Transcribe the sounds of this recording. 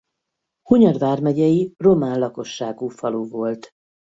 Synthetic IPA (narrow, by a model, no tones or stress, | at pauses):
huɲɒd̪vaːrmɛɟɛjiro̞maːnlɒko̞ʃːaːɡuːfɒloːvo̞lt̪